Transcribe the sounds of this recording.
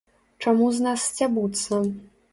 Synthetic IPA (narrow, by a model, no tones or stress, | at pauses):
t͡ʂamuznasːt͡sʲabut̪sɐ